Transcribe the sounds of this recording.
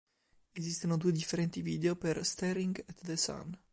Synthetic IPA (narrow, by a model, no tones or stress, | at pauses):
ezist̪enod̪ued̪ifːeɾɛnt̪iviːd̪eoperst̪ɛɾiŋɡɛt̪d̪esa̰n